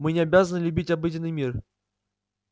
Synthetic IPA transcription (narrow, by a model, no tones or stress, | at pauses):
mɨnʲɪɐbʲazənɨlʲʉbʲitʲɐbɨdʲɪnːɨjmʲir